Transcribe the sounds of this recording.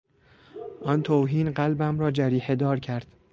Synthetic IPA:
ʔɒːnt̪ʰowɦiːnɢælbæmɾɒːd͡ʒæɾiːhe̞d̪ɒːɾcʰæɾd̪̥

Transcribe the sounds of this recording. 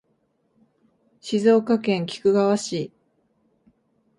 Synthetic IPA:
ɕizo̞ːkakẽ̞ŋkʲi̥kɯ̟ɡaβaɕiː

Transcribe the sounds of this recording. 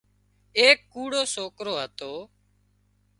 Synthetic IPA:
eːkːuːɽoːsoːkɾoːɦət̪oː

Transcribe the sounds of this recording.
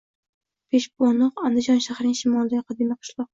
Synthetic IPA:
pʰeʃbonɨqand̪ɪd͡ʒɒnʃaχɾɪŋʃɪmɒlˠd̪aɡʲɪqʰɑd̪ɪmaqʰʊ̥ʃlˠɒq̚

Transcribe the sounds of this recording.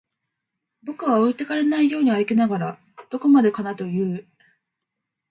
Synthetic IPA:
bo̞kɯ̟βaoit̪e̞kaɾe̞naijo̞ːɲ̟iβaikenaɡaɾa | d̪̥o̞ko̞mad̪e̞kanat̪o̞jɯ̟ː

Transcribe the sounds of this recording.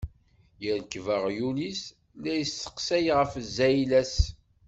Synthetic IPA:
jəlkːvəʁjulis | læjəstːə̥qsæjʁəfzæjlæs

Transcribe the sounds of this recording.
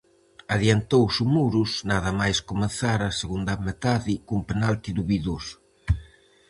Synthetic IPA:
aðjant̪owsumuɾusnaðɐmajskumenθaɾaseɣund̪amet̪aðikumpenalt̪iðuβiðos

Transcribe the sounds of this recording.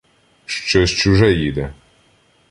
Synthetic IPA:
ʃt͡ʃɔst͡ʃuʒɛjid̪ɛ

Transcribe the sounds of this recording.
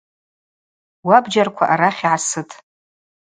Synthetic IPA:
wabd͡ʒarkʷʰaʔaɾaχʲiʕasɨtʼ

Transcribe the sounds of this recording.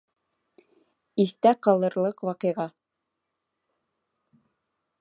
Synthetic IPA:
iθt̪æqɑlˠɤ̆ɾlˠɤqwɑqɤ̆jʁɑ

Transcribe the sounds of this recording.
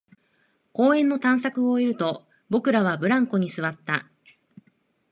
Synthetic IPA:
ko̞ːẽ̞nːo̞t̪ãɰ̃sakɯ̟o̞iɾɯ̟t̪o̞ | bo̞kɯ̟ɾaβ̞abɯ̟ɾãŋko̞ɲ̟isɨβat̪ːa

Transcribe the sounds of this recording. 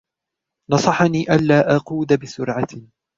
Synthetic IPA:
nɑsˤɑħaniːʔanlaːʔaquːd̪abɪsʊɾˤʕa

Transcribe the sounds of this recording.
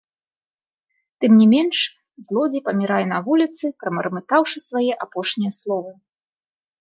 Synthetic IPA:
t̪ɨmnʲimʲɛnʂ | zlˠɔd͡zʲipɐmʲiɾajɛnɐvulʲit̪sɨpɾɐmɐɾmɨt̪awʂɨsvajɛʔapɔʂnʲijɐslˠɔvɐ

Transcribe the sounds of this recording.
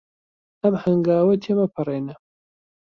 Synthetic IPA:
ɐmhɐŋɡaːwɐt̪ʰemɐpʰɐɾeːnɐ

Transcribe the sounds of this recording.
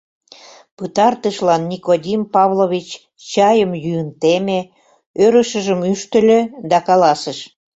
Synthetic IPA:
pɨt̪ɑrt̪əʃlɑnːʲikod̪ʲimpɑβloβʲit͡ɕ | t͡ɕɑjəmjyənt̪eme | øɾəʃəʒəmyʃt̪ə̆lʲød̪ɑkɑlɑsəʃ

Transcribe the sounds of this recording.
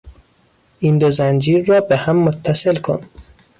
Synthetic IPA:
ʔind̪ozænd͡ʒiːɾːɒːbehæmːot̪ʰːæse̞lkʰo̰n

